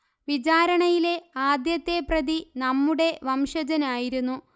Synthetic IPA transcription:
ʋit͡ɕaːɾɐɳɐjile̞aːd̪jɐt̪ːe̞prɐd̪inɐmːuɽe̞ʋɐmʂɐd͡ʑɐnaːjiɾunːu

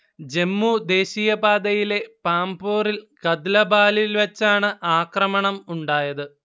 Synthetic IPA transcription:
d͡ʑe̞mːud̪e̞ːɕiːjɐbaːd̪ɐjile̞paːmboːrilkɐd̪lɐbaːlilʋɐt͡ɕːaːɳɨʔaːkrɐmɐɳɐmuɳɖaːjɐðɨ

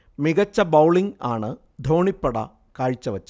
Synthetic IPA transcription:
miɣɐt͡ɕːɐbɐwɭiŋaːɳɨ | d̪ʱoːɳipːɐɽɐ̰ | kaːɻt͡ɕːɐʋɐt͡ɕːɐ

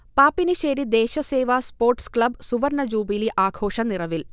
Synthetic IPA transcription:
paːpːinɨɕeːɾid̪eːɕɐseːʋaːspoːrʈskɭɐbsuʋɐrnɐd͡ʑuːbiliʔaːɡʰʱo̞ːʂɐnirɐʋil

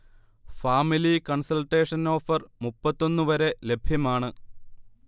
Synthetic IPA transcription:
faːmilikɐɳsɐlʈe̞ːʂɐno̞ːfɐrmupːɐt̪ːo̞nːɨʋɐɾe̞le̞bʱjɐmaːɳɨ

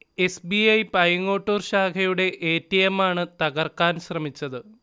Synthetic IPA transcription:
e̞sbiɐjpɐjɐŋːoːʈːoːrɕaːkʰɐjuɽe̞ʔeːtːijɐmaːɳɨt̪ɐɣɐrkaːnɕrɐmit͡ɕːɐðɨ

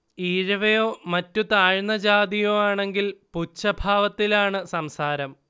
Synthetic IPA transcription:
iːɻɐʋɐjo̞ːmɐtːut̪aːɻnːɐd͡ʑaːd̪ijoːaːɳe̞ŋɡilput͡ɕːɐbʱaːʋɐt̪ːilaːɳɨsɐmsaːɾɐm

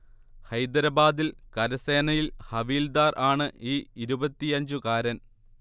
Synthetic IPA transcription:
hɐjd̪ɐɾɐbaːd̪ilkɐɾɐseːnɐjilhɐʋiːld̪aːrʔaːɳɨiːiɾubɐt̪ːiɐɲd͡ʑukaːɾɐn

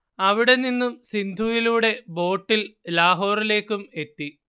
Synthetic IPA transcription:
ɐʋiɽe̞ninːumsind̪ʱujiluːɽe̞bo̞ːʈːillaːɦo̞ːrile̞ːkːume̞t̪ːi

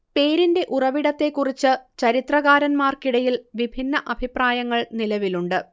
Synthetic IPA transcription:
pe̞ːɾinde̞ʔurɐʋiɽɐt̪ːe̞kːurit͡ɕːɨt͡ɕɐɾit̪rɐɣaːɾɐnmaːrkiɽɐjilʋibʱinːɐʔɐbʱipraːjɐŋːɐɭnilɐʋiluɳɖɨ

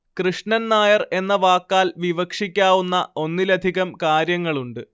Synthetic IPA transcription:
krɨʂɳɐnnaːjɐre̞nːɐʋaːkːaːlʋiʋɐkʂikʲːaːʋunːɐo̞nːilɐd̪ʱiɣɐmkaːɾjɐŋːɐɭuɳɖɨ

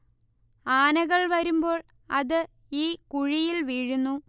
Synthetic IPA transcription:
aːnɐɣɐɭʋɐɾumbo̞ːɭ | ɐ̰ðɨ | iːkuɻijilʋiɻunːu

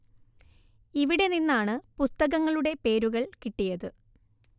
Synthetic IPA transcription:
iʋiɽe̞ninːaːɳɨpust̪ɐɣɐŋːɐɭuɽe̞pe̞ːɾuɣɐɭkiʈːijɐðɨ

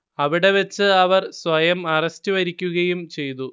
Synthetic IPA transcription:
ɐʋiɽe̞ʋɐt͡ɕːɨɐʋɐrsʋɐjɐmɐrɐstuʋɐɾikʲːuɣɐjumt͡ɕe̞jt̪u

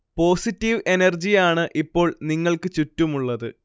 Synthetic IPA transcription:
po̞ːsitːiʋe̞nɐrd͡ʑijaːɳɨʔipːo̞ːɭniŋːɐɭkɨt͡ɕutːumuɭːɐðɨ

